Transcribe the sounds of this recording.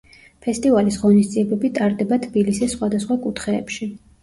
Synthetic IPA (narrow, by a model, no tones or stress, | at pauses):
pʰɛst̪ʼivalisʁɔnisd̪ziɛbɛbit̪ʼaɾd̪ɛbat̪ʰbilisɛsχwad̪asχwakʼut̪ʰχɛ̰ːpʃi